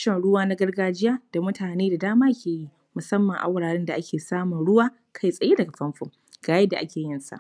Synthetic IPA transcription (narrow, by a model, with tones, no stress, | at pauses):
ʃɛ˦˨nɽʊ˦waː˦na˦ɡɐ˦rɡaː˦d͡ʒɪ˦jaː˦d̥a˨mʊ˦tʰaː˨neː˦da˨daː˦maː˦kʲʰeː˨ji˦ | mʊ˨sɐ˦mːɐ˨ŋʔa̰˨wɽaː˨ɽɪ˦nda˨ʔa˦kʲeː˨saː˦mʊ˨nɽʊ˦waː˦ | kʰa˦˨jsʼɐ˨je˦dɐ˨ɡa˨ɸɐ˦mɸʊ˨ŋ | ɡaː˨jɐ˦dːa˨ʔa˦kʲeː˨jɪ˦nsa̰˨ʔ